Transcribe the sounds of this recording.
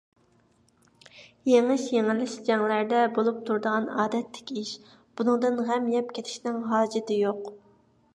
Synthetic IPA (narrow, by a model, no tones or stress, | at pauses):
jeŋɨʃjeŋɪlɪʃd͡ʒɛŋlæɾd̪ɛbolˠup̚t̪ʰuɾd̪əʁɑnɑːd̪ɛt̪ʰːɪ̥kʲiʃ | b̥unɨŋd̪ɨnʁɛmjɛpkʲʰet̪ʰɪ̥ʃnɪŋɦɑːd͡ʒɪt̪ɪjoq